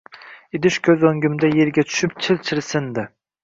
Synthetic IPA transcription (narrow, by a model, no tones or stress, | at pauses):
id̪yʃkʲʰøzoŋɡʲymd̪ɛjeɾɡʲɛt͡ʃ̪ʰy̥ʃyp̚t͡ʃʰɪlt͡ʃʰɪɾsɪnd̪ɪ